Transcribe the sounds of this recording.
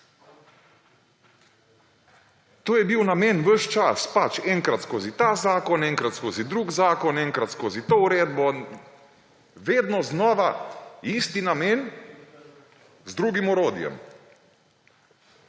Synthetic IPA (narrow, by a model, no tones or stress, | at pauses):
t̪oːjɛbiwnameːnʋəʃt͡ʃaspat͡ʃɛŋkɾat̪skoːzit̪azaːkɔnɛŋkɾat̪skoːzid̪ɾuːɡzaːkɔnɛŋkɾat̪skoːzit̪oːuɾeːd̪bɔ | ʋeːd̪nɔznɔːʋaiːst̪inameːn | zd̪ɾuːɡimɔɾoːd̪jɛ̰m